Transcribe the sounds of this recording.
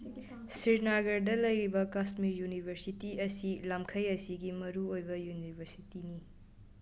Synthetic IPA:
siɾnaɡɐɾdɐlɐjɾibɐkasmiɾjunibʱɐɾsitiɐsilamkʰɐjɐsiɡimɐɾuojbɐjunibʱɐɾsitini

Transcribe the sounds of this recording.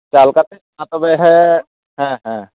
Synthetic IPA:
t͡ʃaːlkat̪esmat̪əbeɦɛ | ɦɛ̃ɦɛ̃

